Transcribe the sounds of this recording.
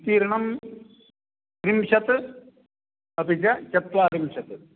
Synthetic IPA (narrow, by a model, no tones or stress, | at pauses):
t̪iːɾɐɳɐm | ɾimʃɐt̪ɨ | ɐpid͡ʑɐt͡ʃɐt̪ʋaːɾimɕɐt̪ɨ